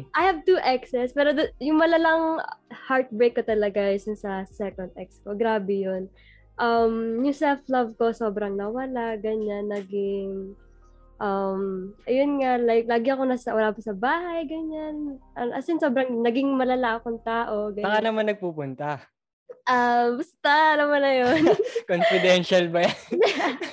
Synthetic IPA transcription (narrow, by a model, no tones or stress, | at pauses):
ʔajhɐvt̪uːʔɛksɛspɛːɾod̪jʊŋmɐlɐlɐŋhaɹt̪̚bɾejkːot̪ɐlɐɡasʊnsɐsɛkond̪̚ʔɛk̚sko̞ɡɾaːbɛjon | ʔɐmjʊŋsɛlflɐvko̞so̞ːbɾɐŋnɐwɐlaʔɡɐɲanːɐɡɪŋ | ʔɐmʔɐjonŋalak̚laːɡɪɐko̞nɐsɐwɐlaːpɐsɐbaːɦɐjɡɐɲanʔɐʔɐsɪnsoːbɾɐŋnɐɡɪŋmɐlɐlaʔɐkoŋt̪aːʔo̞ɡɐɐkanɐmanːɐɡ̚puːpʊnt̪ɐ | ʔabʊst̪anɐmanɐjonkonfɪd̪ɛnʃɐlbɐja